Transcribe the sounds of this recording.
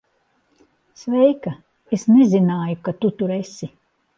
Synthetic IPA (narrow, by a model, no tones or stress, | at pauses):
svɛjkɐ | esnezinaːjukat̪ut̪uɾesi